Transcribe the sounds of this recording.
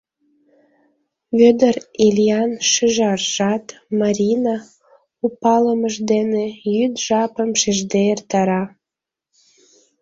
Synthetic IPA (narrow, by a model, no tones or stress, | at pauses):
βød̪ərelʲijɑnʃyʒɑrʒ̥ɑt̪mɑɾʲinɑ | upɑləməʒd̪enejyd̪ʒɑpəmʃeʒd̪eert̪ɑɾɑ